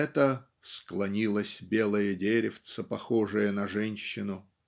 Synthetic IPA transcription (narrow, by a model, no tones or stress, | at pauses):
ɛt̪ə | sklˠɐnʲilˠəsʲbʲe̞lˠəjədʲeɾʲɪft̪səpɐxoʐɨjənɐʐɛnʲɕːɪnʊ